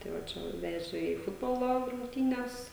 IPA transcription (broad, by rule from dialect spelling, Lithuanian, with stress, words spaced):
ˈtɐɪ ʋɐ ˈt͡ʃʲɛ ʋɐ ˈʋʲæːʒʲɛ iː ˈfʊdboːlˠoː rʊŋkˈtʲiːnʲɛs